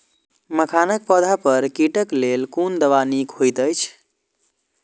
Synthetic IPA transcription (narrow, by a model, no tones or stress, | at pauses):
məkʰanək̚pəd̪ʱapəɾkiʈəklelkund̪əʋanikhojt̪əjt͡ʃʰ